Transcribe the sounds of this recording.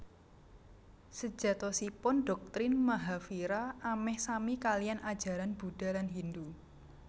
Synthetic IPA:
sə̥d͡ʒ̥a̤t̪ɔsipʊnɖɔ̤k̚t̪ɾɪnmaɦafiɾaamɛhsamikalianad̥d͡ʒ̥ä̤ɾanb̥ud̥a̤lanɦind̪u

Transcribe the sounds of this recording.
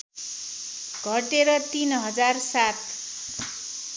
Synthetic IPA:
ɡʱʌʈeɾʌt̪inɦʌd͡zarsat̪̚ʰ

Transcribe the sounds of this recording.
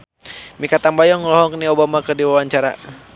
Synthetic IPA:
mikat̪ambajɔŋlɔɦɔkniobamakɨrdiwawaɲt͡ʃaɾa̰

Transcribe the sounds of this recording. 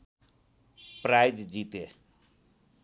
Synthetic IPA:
pɾajd̪d͡ʒit̪e

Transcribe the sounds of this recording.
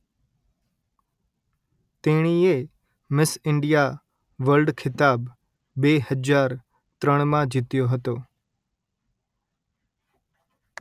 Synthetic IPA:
t̪eɽ̃ie | mɪsɪɳɖija | ʋəɾlɖkʰɪt̪aːbː | eɦəd͡ʒaːɾ | t̪ɾəɳ̃mãd͡ʒɪt̪joɦət̪oː

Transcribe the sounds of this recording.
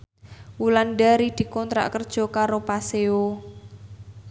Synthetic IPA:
wulanɖaɾid̪̥i̤kɔnt̪ɾa̰ʔkərd̥ʒ̥ɔ̤kaɾopaseo

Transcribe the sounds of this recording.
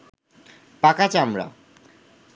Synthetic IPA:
pakat͡ɕamɾa̰

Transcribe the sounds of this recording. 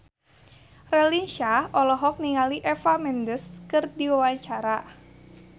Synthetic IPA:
rɛlinʃaʔɔlɔɦɔk̚niŋaliʔɛfamɛndəskɨrdiwawaɲt͡ʃaɾa

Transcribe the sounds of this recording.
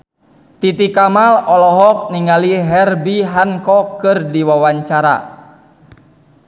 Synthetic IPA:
t̪it̪ikamalɔlɔɦɔk̚niŋaliɦɛrbiɦaŋkɔkɨrdiwawaɲt͡ʃaɾa̰

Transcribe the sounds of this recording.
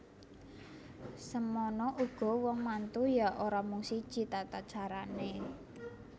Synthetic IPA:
səmɔnɔʔuɡ̥ɔ̤wɔŋmant̪ujaʔoɾamuŋsid̥ʒ̥i̤t̪at̪ad̥t͡ʃaɾane

